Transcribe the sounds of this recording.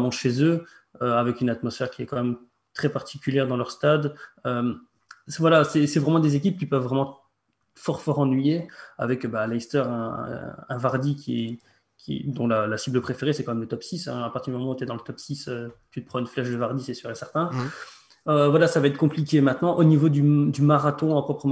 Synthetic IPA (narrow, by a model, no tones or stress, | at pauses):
mɑ̃ʃezø | øavɛkynat̪mɔsfɛʁkʲiɛkɑ̃mɛm | t̪χɛpaʁt̪ʰi̥kʲyljɛʁd̪ɑ̃lœʁst̪ad̪øm | vwalasɛsɛvʁɛmɑ̃d̪ezekʲip̚kʲipœvːʁɛmɑ̃ | fɔʁfɔʁɑ̃nɥijea̰vɛkøbalɛjst̪œʁɛ̰̃ɛ̃vaʁd̪ikʲiɛ | kʲʰḭd̪ɔ̃lalasibləpχefeʁesɛkɑ̃mɛmlət̪ɔpsisɛ̰̃apaʁt̪iʁd̪ymɔmɑ̃ut̪yɛd̪ɑ̃lət̪ɔpsisøt̪yt̪ə̥pχɑ̃ynflɛʃd̪əvaʁd̪isɛsyʁɛsɛʁt̪ɛ̃ | øvwalasavaɛt̪χəkɔ̃plik̬ʲemɛ̃t̪nɑ̃ʔonivod̪yd̪ymaʁat̪ɔ̃ɑ̃pχɔpχəm